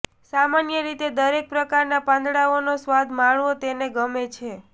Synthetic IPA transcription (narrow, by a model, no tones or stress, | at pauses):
samanjəɾit̪ed̪əɾek̚pɾəkaɾnapãnd̪ɽaonosʋad̪maɳʋot̪eneɡəmet͡ʃʰe